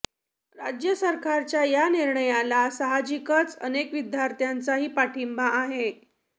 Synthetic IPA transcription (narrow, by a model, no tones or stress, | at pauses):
ɾad͡ʑjəsəɾkaɾt͡ɕjajaniɾɳəjalasəɦad͡ʑikət͡sənekʋid̪jaɾt̪jant͡saɦiːpaʈʰimbaʔːɦe